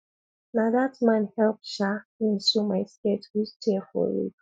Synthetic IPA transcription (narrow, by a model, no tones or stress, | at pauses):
naðatmãnhɛlˠp̚ʃaĩnsumaɪsketwid͡ʒtʰɛfɔ̰ɹḭt